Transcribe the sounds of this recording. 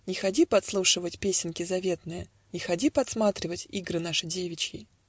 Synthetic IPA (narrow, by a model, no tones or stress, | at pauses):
nʲɪxɐdʲipɐt̪slˠuʂɨvətʲpʲesʲɪnkʲɪzɐvʲe̞t̪nɨjə̰ | nʲɪxɐdʲipɐt̪smat̪ɾʲɪvətʲiɡɾɨnaʂɨdʲevʲɪt͡ɕkʲɪ